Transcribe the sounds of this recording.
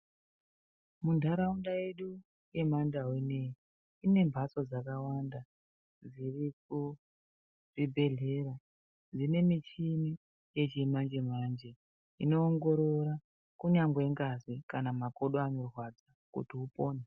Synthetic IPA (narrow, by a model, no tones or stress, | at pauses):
mundʱaɾaundae̞ɗu | je̞mandaɦwenei | ine̞mbʱat͡so̞d͡zakawanda | d͡ziriku | ribʱe̞ɮe̞ra | d͡zine̞mit͡ʃini | je̞t͡ʃimand͡ʒe̞mand͡ʒe̞ | ino̞ːŋɡo̞ɾo̞ɾa | kuɲaŋɡwe̞ŋɡazikanamako̞ɗoano̞rwad͡za | kṵtiupo̞ːne